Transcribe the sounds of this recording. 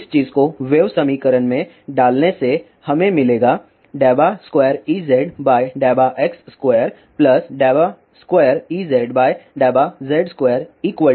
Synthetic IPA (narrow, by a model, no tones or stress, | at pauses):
ɪst͡ʃiːzkoʋeːʋsɐmiːkəɾənmẽ | ɖaːlnese | hɐmẽmɪleːɡa | ɖɛːbaskweːəɾiːzɛːɖbaːjɖeːbaʔɛksːkweːəɾ | plɐsɖɛːba | skweːjəɾiːzɛːɖbaːjɖaːbazɛːɖskweːəɾiːkwə